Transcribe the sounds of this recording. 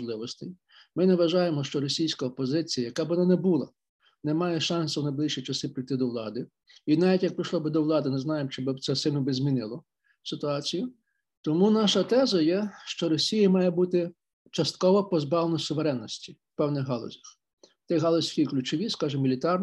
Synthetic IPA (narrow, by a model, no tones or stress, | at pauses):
lˠɪʋɔst̪ej | mɪnɛʋɐʒɑjemɔʃt͡ʃɔɾɔsʲijsʲkɐɔpɔzɪt͡sʲijɐjɐkɑbɪʋɔnanɛbulˠɐ̰ | nɛmɑjɛʃɑnsɐwnɐjblˠiʃʲit͡ʃɐsɪpɾijt̪ɪd̪ɔʋlˠɑ̰d̪ɪ | inaʋʲitʲjɐk̚pɾɪʃlˠɔbɪd̪ɔʋlˠɑd̪ɪnɪznɑjemt͡ʃɪbɪt̪sɛsɪlʲnɔbɪzʲmʲinɪlˠɔ | sɪt̪ʊɑt͡sʲijʊ | t̪ɔmunɑʃɐt̪ɛzɐjɛʃt͡ʃɔɾɔsʲijɐmɑjɛbut̪ɪ | t͡ʃɐst̪̚kɔʋɔpɔzbɑʋlenɔsʊʋeɾɛnːɔsʲtʲi̥wpɛwnɪɣɦɑlˠɔ̰zʲɐx | t̪ɪɦɑlˠɔsʲkʲijklʲʊt͡ʃɔʋʲiskɑʒɪmʲilʲit̪ɑrn